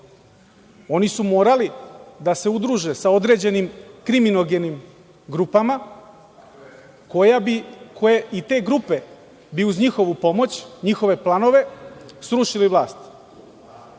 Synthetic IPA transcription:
o̞nisumo̞ːɾalid̪ase̞ud̪ɾuʒe̞sao̞d̪ɾe̞d͡ʑe̞nimkɾiminoɡe̞nim | ɡɾupama | kojaikʰojeʔit̪e̞ːɡɾupe̞ | biuzɲixo̞ʋupo̞mo̞t͡ɕɲixo̞ʋe̞plˠano̞ʋe̞sɾuʃiliʋlˠaːst̪

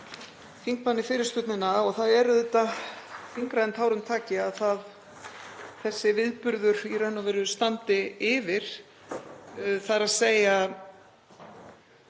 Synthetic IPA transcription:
fiŋk̚panːɪfɪːɾɪɾ̥st̪ʏt̪nɪnːaɔɣθaðɛɾðɛt̪ːafiŋkɾaðnt̪ʰaːwɾʏmt̪ʰaːcɪaðθað | θɛsːɪvɪðpʏɾðʏɾirɛnːɔvɪɾʏ̥st̪ant̪ɪɪvɪɾ̥ | θaɾaðseːja

